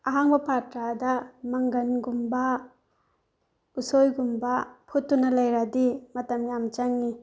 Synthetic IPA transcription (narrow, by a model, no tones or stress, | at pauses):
aɦaŋbɐpʰatɾadɐmɐŋɡɐnɡumbɐ | usojɡumbɐpʰutːunɐlɐjɾadimɐtɐmjamt͡ʃaŋni